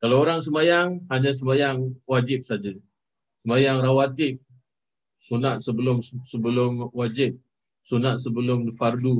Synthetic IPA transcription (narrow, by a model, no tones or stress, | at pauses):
kalaoɾaŋsəmajaŋɦaɲas̬əmajaŋwad͡ʒɪp̚sad͡ʒa | səmajaŋrawat̪ɪk̚ | sunat̪̚səbəlʊmsəbəlʊmwad͡ʒɪp̚ | sunat̪̚səbəlʊmifardu